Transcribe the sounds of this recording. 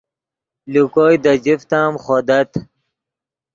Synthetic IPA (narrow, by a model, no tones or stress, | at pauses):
lukoːjd̪ad͡ʑift̪aːmχod̪ɐt̪